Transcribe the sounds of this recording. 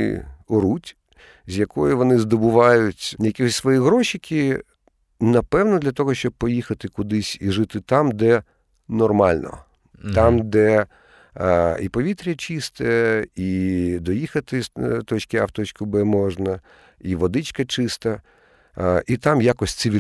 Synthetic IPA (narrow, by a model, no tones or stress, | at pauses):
ɪ̰ɔɾutʲ | zʲjɐkɔjʊʋɔnɪzd̪ɔbʊʋɑjʊtʲjɐkʲixɔsʲsʋɔjiɦɾɔʃɪkʰʲi | nɐpɛwnɔd̪lʲɐt̪ɔɦɔʃt͡ʃɔb̚pɔjixɐt̪ɪkʊd̪ɪsʲiʐɪt̪ɪt̪amd̪ɛ | nɔrmɑlʲnɔ̰ | t̪ɑmd̪ɛ | ipɔʋʲit̪ɾʲɐt͡ʃɪst̪ɛid̪ɔjixɐt̪ɪt̪ɔt͡ʃkʲɪaft̪ɔt͡ʃkʊbɛmɔʐnɐ | iʋɔd̪ɪt͡ʃkɐt͡ʃɪst̪ɐ | it̪amjakɔsʲtʲt̪sɪʋʲi